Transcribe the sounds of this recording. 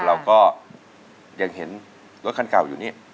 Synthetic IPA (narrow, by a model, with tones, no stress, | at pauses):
ɾa˧wkɔː˥˩ | ja˧ŋɦe˩˦n | d̪u˦˥kʰa˧nkaː˨˩wjuː˨˩niː˥˩